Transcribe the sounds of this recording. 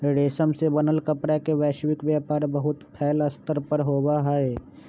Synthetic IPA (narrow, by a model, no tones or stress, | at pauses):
ɾeːsəmsebɐnəlkəpɽekeʋɛːʃʋɪkʋjaːpaːɾbəɦʊt̪pʰɛːləst̪əɾpəɾɦoːwaɦɛe